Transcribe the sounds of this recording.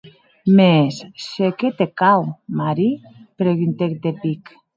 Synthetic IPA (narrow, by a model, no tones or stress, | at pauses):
mesːeket̪ekawmaɾi | pɾeɣint̪ek̚d̪epik